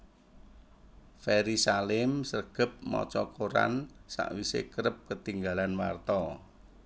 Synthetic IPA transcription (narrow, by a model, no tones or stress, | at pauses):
fɛɾisalɪmsərɡ̥ə̤p̚mɔ̰t͡ʃɔkʰoɾa̰nsa̰ʔwisḛkəɾəp̚kət̪iŋɡalanwa̰rt̪ɔ